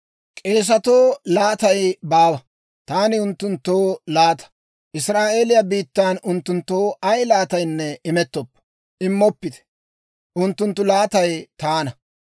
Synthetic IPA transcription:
kʼe̞ːs̬ɐt̪oːlaːt̪ɐjbaːwɐ | t̪aːnɪʊnt̪ːʊnt̪ːoːlaːt̪ɐ̥ | ʔɪsɾaːʔe̞ːlɪjabiːt̪ːaːnʊnt̪ːʊnt̪ːoːʔɐjlaːt̪ɐjnːɛɪmɛt̪ːɔpːɐ̥ | ɪmːɔpːɪt̪ɛ̥ | ʔʊnt̪ːʊnt̪ːʊlaːt̪ɐjt̪aːnɐ

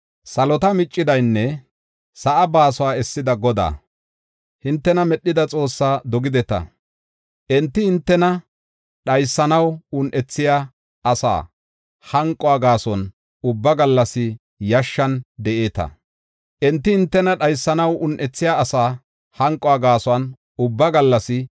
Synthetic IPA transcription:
sɐlɔt̪ɐmɪt͡ʃʼːɪd̪ɐjnːɛ | sɐʔɐbaːsɔwaːɛsːɪd̪ɐɡɔd̪a̰ː | hɪnt̪ːɛnɐmɛɗːɪd̪ɐt͡sʼo̞ːsːaːd̪ɔɡɪd̪ɛt̪ɐ̰ | ʔɛnt̪ːɪhɪnt̪ːɛnɐ | ɗɐjsːɐnɐwʊnʔɛt͡sːɪjaː | ʔɐsa̰ː | hɐŋkʼɔaːɡaːsɔn | ʊbːɐɡɐlːɐsɪ | jɐʃːɐnd̪ɛʔe̞ːt̪ɐ̰ | ʔɛnt̪ːɪhɪnt̪ːɛnɐɗɐjsːɐnɐwʔʊnʔɛt͡sːɪjaːsaː | hɐŋkʼɔaɡaːsɔɐn | ʊbːɐɡɐlːɐsɪ

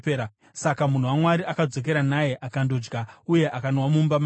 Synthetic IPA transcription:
eɾa | sakamun̤uwamwaɾiʔakad͡zo̞k̬e̞ɾanaje̞ʔakando̞d͡ʒɡauje̞ʔakanwamumbam

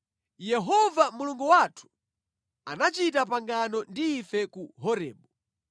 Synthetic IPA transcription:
jɛɦɔvamuluŋɡuwatʰu̥ | anat͡ʃitapaŋɡanɔndiːfɛkuɦɔɾɛ̰ːɓɔ

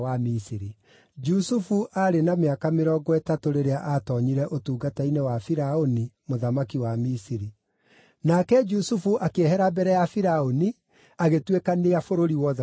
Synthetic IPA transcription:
amisiɾi | d͡ʒusufuʔaɾenameakameɾɔɡɔɛtatoɾeɾeaʔatɔɲiɾɛʔotuːɡatainɛwafiɾaonimoðamakiwamisiɾi | nakɛd͡ʒusufuʔakehɛɾabɛɾɛjafiɾaoni | aɣetwekaneafoɾoɾiwɔð

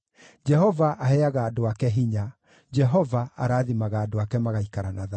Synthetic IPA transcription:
d͡ʒɛɦɔvaʔahɛaɣaːdoakɛɦiɲa | d͡ʒɛɦɔvaaɾaːðimaɣaːdoakɛmaɣaikaɾanaða

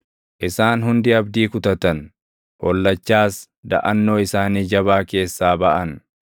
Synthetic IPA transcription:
ʔɪsaːnɦʊnd̪ɪɐbd̪iːkʊt̪ɐt̪ɐn | hɔlːɐt͡ʃːaːs | d̪ɐ̰ʔɐnːo̞ːɪsaːniːd͡ʒɐβaːke̞ːsːaːbɐʔɐn

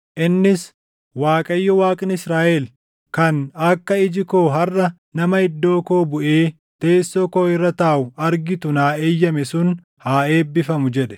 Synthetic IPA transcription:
ʔɪnːɪs | waːkʼɐjːɔwaːkʼɪnɪsɾaːʔɛl | kɐnɐkːɐɪd͡ʒɪko̞ːɦɐrʔɐ | nɐmɐhɪd̪ːo̞ːko̞ːbʊʔeː | t̪e̞ːsːoːkoːɪrːɐt̪aːʔʊɐɾɡɪt̪ʊnaːeːjːɐmɛsʊn | haːe̞ːbːɪfɐmʊd͡ʒɛᶑɛ̥

